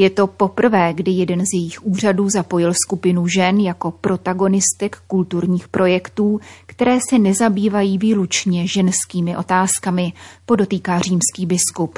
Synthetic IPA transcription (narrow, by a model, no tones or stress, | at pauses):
jɛt̪o̞po̞pr̩vɛːɡdɪjɛdɛnzjɛjɪxʔuːr̝aduːzapo̞jɪlskupɪnuʒɛnjako̞pɾo̞t̪aɡo̞nɪst̪ɛkːult̪uɾɲiːxpɾʔo̞jɛkt̪uːkt̪ɛɾɛːsɛnɛzabiːvajiːviːlut͡ʃɲɛʒɛnskiːmɪʔo̞t̪aːskamɪpo̞do̞t̪iːkaːr̝iːmskiːbɪskup